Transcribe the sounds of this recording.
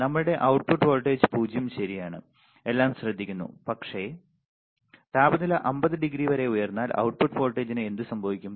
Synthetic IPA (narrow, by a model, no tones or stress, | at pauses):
nɐmːɐɭɨɽe̞ʔɐwʈ̚puʈːfo̞ːlʈːeːd͡ʑɨpuːd͡ʑʱjɐmɕɐɾijaːɳɨ | e̞lːaːmɕrɐd̪ʱːikʲːunːṵpɐkʂe̞ | t̪aːbɐnilɐʔɐmbɐðɨɖiɡɾiʋɐɾe̞ujɐrnːaːlɐ̰wʈ̚puʈːfo̞ːlʈːeːd͡ʑinɨend̪ɨsɐmbʱɐʋikʲːum